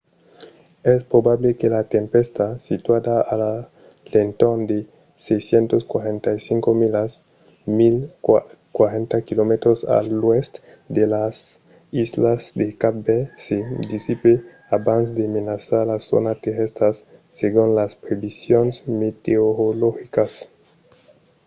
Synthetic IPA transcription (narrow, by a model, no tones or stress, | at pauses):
ɛspɾobaβlekelat̪empest̪asit̪wad̪aala | lent̪ond̪e | sejsjent̪oskwaɾent̪ajsiŋkomilas | mil | kwaɾent̪akilomet̪ɾosa̰lwest̪ | d̪elas | izlasd̪ekabesed̪isipe | abans̬d̪emenasaɾlaso̰nat̪eɾest̪ɾasːeɣunlaspɾeβisjonesmet̪eoɾoloxikas